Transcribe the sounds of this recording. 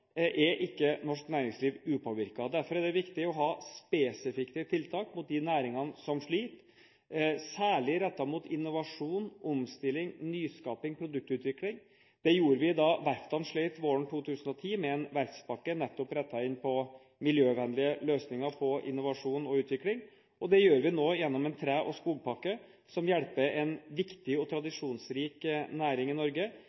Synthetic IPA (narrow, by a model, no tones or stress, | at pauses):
ʔɛɾʔɪkːənɔʂknæːɾɪŋsliːʋʉːpʰoːʋɪɾkɑd̪æɾfɔɾæd̪ɛʋɪkt̪ɪɔɦɑːspesɪfɪkt̪ət̪ʰɪlt̪ʰɑːkmʊt̪̚d̪ɪnæːɾɪŋɑnəsɔmʂɭiːt̪ | sæːɭɪɾɛt̪ːɑmʊt̪ɪnːʊʋɑʂuːnʔʊmst̪ɪlːɪŋnyːskɑːpɪŋpʰɾʊd̪ʉk̚t̪ʉːt̪ʋɪklɪŋ | d̪̥ɛjuːɾəʋɪd̪ɑʋæɾft̪ɑnʂɭiɪt̪ʋoːəɳ̩t̪ʰuːt̪ʰʉːsənɔt̪ʰiːmɛɛnʋæɾtspɑkːənɛt̪ːɔpɾɛt̪ːɑɪnːpʰɔ | mɪljøːʋɛnlɪəløːsnɪŋəɾpʰɔʔɪ̰nːʊʋɑʂuːnɔʉːt̪ʋɪklɪŋ | ʔɔd̪ɛjøːɾʋɪnoːjɛnːɔmɛnt̪ʰɾæːʔɔskuːlpʰɑkːə | sɔmjɛɽpəɾɛnʋɪkt̪ɪɔt̪ʰɾɑd̪ɪʂuːnsɾiːknæːɾɪŋɪnɔɾɡə